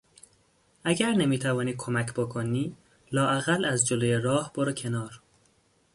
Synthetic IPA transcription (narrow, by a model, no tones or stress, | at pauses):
ʔæɟæɾnemiːt̪ʰævɒːniːd̪̚kʰomæcʰbokʰoniː | lɒːʔæɣælæzd͡ʒolojeɾɒːhb̥oɾecʰe̞nɒːɾ